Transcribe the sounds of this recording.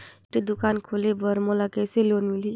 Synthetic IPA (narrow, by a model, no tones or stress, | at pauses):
ʈed̪ʊkaːnkʰolebəɾmolakeseloːnmili